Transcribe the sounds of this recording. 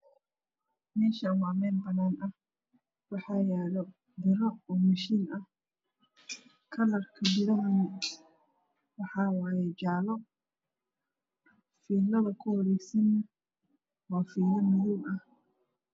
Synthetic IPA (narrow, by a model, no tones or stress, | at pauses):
mɛːʃɐːmaːmɛːnbɐnaːnʔɐh | wɑħɑːjaːɾɔ | d̪ɪɾɔɔːmɐʃiːnʔɐh | kʰɐlɐrkʰɐbɪɾɐmɪn | wɑħɑwɑːjɛd͡ʒaːlɔ | fiːlɐðɐkʰʊhɔɾɛjsɐnɐ | waːfiːlɐmʊðuːmɐh